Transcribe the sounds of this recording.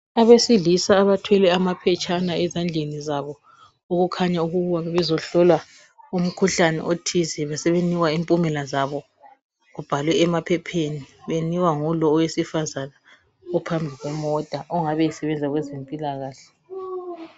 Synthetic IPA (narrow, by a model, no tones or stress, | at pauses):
aβesiɮisaːβatʰwɛlɛamapʰɛt͡ʃʼanaɛzand͡ɮʱenizaβɔ | oɣukʰaɲauɣuɣuwaβɛβɛzɔɬɔlwa | um̩kʰuɬanɛ̰ʔotʰizɛβasɛβeniwaimpʼumɛlazaβɔ | ɣub̥ʱalwɛːmapʰɛpʰeniβeniwaŋulɔːwesifazana | ɔpʰambʱiɣwɛmɔtʼaʔɔŋaβɛɛsɛβɛnd͡zʱaɣwɛzempʼilaɣaːɬɛ̥